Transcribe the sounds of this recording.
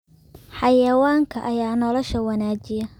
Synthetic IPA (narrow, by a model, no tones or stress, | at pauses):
ħɑjɐwaːŋkʰɐʔɐjaːnɔlɔʃɐwɐnaːt͡ʃɪjɐ